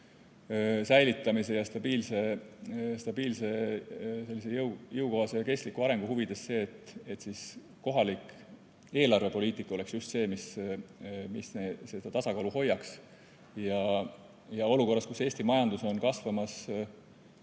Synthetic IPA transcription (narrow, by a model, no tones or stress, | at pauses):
sæjlit̪ːˑɑmise̞jɑst̪ɑb̥iːlse̞ | st̪ɑb̥iːlse̞se̞lːise̞jɤwjɤwko̞ɦɑsejɑke̞st̪likuɑɾe̞ŋɡ̥uhuvid̪̥e̞sse̞ːt̪ːˑet̪ːsiːs | ko̞ɦɑlik | e̞ːlɑrve̞po̞liːt̪ˑikːˑo̞le̞ksjust̪se̞ːmis | misnese̞d̪ɑt̪ɑsɑkɑluho̞jːɑks | jɑ | jɑo̞luko̞rːɑskuse̞ːsʲt̪imɑjɑnd̪̥uso̞nkɑsvɑmɑs